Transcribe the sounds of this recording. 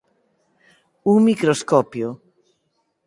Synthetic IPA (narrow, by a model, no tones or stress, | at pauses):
uŋmikɾoskɔpjo